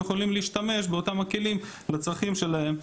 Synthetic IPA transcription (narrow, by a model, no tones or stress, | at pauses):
eχolimliːʃt̪ame̞ʃbe̞otamake̞lim | lat͡sʁaχimʃe̞lahe̞m